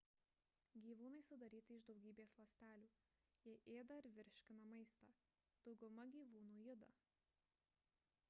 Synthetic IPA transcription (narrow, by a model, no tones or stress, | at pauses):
ɡʲiːʋuːnɐɪsʊd̪ɐɾʲiːt̪ʲɪɪʒd̪ɒʊɡʲiːbʲeːslˠɐsʲt̪ʲæːlʲuː | jɛʔeːd̪ɐɪɾʋʲɪɾʲʃʲkʲɪnɐmɐɪst̪ɑ | d̪̥ɒʊɡʊmɐɡʲiːʋuːnuːjɪd̪ɐ̰